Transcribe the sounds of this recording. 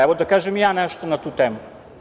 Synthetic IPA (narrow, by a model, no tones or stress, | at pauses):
ɛvod̪akaʒɛmjanɛʃt̪onat̪ut̪ɛmu